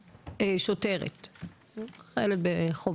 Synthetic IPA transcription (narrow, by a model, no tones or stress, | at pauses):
eʃoteʁḛt̪ | χelet̪̚beχov